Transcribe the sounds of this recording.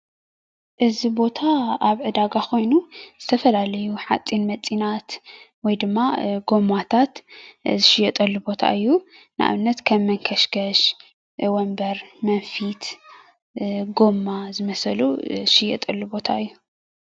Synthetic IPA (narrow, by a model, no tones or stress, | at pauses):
ʔɨzibo̞t̪ʰaaβʕɨd̪aɡakʰo̞jnuz̥ɨt̪ʰɐfɐlalɐjuħat͡sʼinmɐt͡sʼinat̪ | wɔjd̪ɨmːaɡo̞mat̪ʰat̪zɨʃɪjɛt̪ʼɐlːubo̞t̪ʰa̰ʔɨjːunɨʔa̰βɨnːɐt̪kʰɐmːɨŋkʰɐʃɡɐʃ | wɔmbɐɾmɐnfit̪ | ɡo̞mːazɨmɐsɐlṵʃɪjɛ̰t̪ʼɐlːubo̞t̪ʰa̰ɨjːu